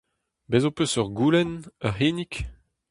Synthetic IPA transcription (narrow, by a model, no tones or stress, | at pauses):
bezopøsœʁɡuːlɛnœʁɦeːnik